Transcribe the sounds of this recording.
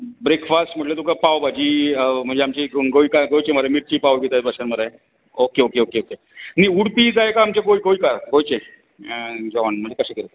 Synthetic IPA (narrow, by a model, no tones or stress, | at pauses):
bɾekfasʈm̤əʈlet̪̬ukapawbad͡ʑiːm̤əɳd͡zeamt͡ɕiɡoikaɡojt͡ɕeməɾamiɾt͡ɕiːpaʋɡet̪atbʱaɕənməɾaj | okeokeokeoke | niuɽpid͡zajkaːmt͡ɕaɡoikoikaɾɡojt͡ɕẽ | d͡zɔnməɳd͡ʑekəɕẽkəɾt̪